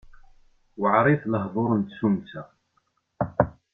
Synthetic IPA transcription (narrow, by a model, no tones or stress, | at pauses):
wʕɾˤɪθləɦðˤoɾənt̪sumt͡sæ